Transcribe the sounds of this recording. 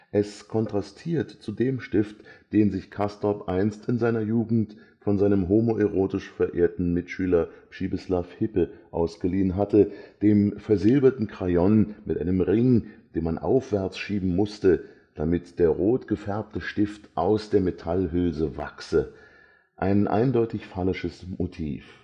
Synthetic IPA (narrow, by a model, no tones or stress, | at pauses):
ʔɛskʰɔntʁ̥astʰiːɐtt͡sudeːmʃtɪftd̥eːnzɪçkʰastɔpʔaɪnstɪnzaɪnɐjuːɡŋ̩t | fɔnzaɪnəmɦoːmoʔɛʁoːtɪʃfɛɐʔeːɐtn̩mɪtʃyːlɐpʃiːbəslafhɪpəʔa̰ʊsɡ̥əliːənɦatəd̥eːmfɛɐzɪlbɐtn̩kʁ̥ajɔnmɪtʔaɪnəmʁɪŋd̥eːnmanʔa̰ʊfv̥ɛɐt͡sʃiːbm̩mʊstə | d̥amɪtd̥eːɐʁoːtɡ̥əfɛɐp̚təʃtɪftʔaʊsd̥eːɐmetʰalɦʏlzəva̰ksə | ʔa̰ɪnʔa̰ɪndɔʏtɪçfalɪʃəsmotʰḭːf